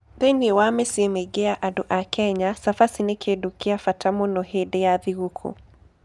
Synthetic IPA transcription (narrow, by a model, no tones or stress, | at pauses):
ðeniwamesiemeɡeaʔaduʔakʰɛɲasafasinekʰedukiafatamɔnɔɦedejaðiɣukʰṵ